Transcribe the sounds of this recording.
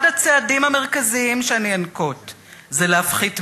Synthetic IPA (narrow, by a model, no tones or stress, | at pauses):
dat͡seadimhame̞ʁ̞kaziimʃeaniankot | zelehafχit